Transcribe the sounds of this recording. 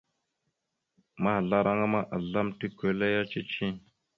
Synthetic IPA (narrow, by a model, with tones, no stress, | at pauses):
ma˦ha˨ɮa˦ɾa˦ŋa˦ma˦ʔa˨ɮa˦mti˦ke˨˦la˦ja˦t͡ʃi˦t͡ʃi˦